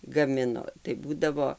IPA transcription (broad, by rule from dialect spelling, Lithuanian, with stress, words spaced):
ɡɐˈmʲɪnoː tɐɪ ˈbuːdɐʋoː